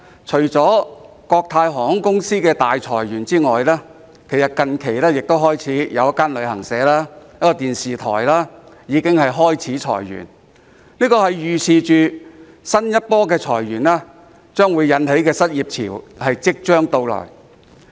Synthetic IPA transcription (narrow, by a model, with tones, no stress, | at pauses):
t͡ʃʰɵ˨˩ɥt͡sɔː˨˥ | kɔː˧k̚t̪ʰaː˧jɦɔː˨˩ŋhʊ˨˥ŋkʊ˥ŋsiː˥kɛː˧t̪aː˨jt͡sʰɔː˨˩jɥyː˨˩nt͡siː˥ŋɔː˨jlaː˥ | kʰe˨˩jsɐ˨t̚kɐ˨nkʰe˨˩jlɛː˥jɪ˨k̚t̪o˥wɦɔː˥jt͡sʰiː˨˥jɐ˨˧wjɐ˥kːaː˥nlɵ˨˧ɥhɐ˨˩ŋsɛː˨˥laː˥jɐ˥kːɔː˧t̪iː˨nsiː˨t̪ʰɔ̰ː˨˩jlaː˥jiː˨˧kɪ˥ŋhɐ˨jɦɔː˥jt͡sʰiː˨˥t͡ʃʰɔ̰ː˨˩jːy̰˨˩n | niː˥kɔː˧hɐ˨jjyː˨sʰiː˨t͡ʃyː˨ | sɐ˥njɐ˥t̚pɔː˥kɛː˧t͡ʃʰɔː˨˩jɥyː˨˩nlaː˥ | t͡ʃœː˥ŋwuː˨˧jɐ˨˧nɦe˨˥jkɛː˧sɐ˥t̚jiː˨p̚t͡sʰḭː˨˩whɐ˨jt͡sɪ˥k̚t͡ʃœː˥ŋt̪o˧wlɔ̰ː˨˩j